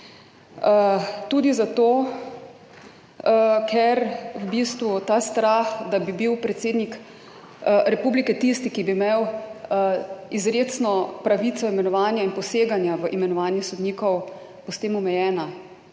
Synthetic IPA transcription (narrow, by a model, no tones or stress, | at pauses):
t̪uːd̪izat̪oː | kʰɛɾwbist̪ʋut̪aːst̪ɾaxd̪abibiwpɾɛt̪seːd̪nik | ɾɛpuːblikɛt̪ist̪ikibimew | izɾeːt̪snɔpɾaʋit̪sɔimɛnɔʋaːnjainpɔseːɡanjaʋəʔimɛnɔʋaːnjɛsɔd̪niːkɔw | pɔst̪eːmɔmɛjɛːna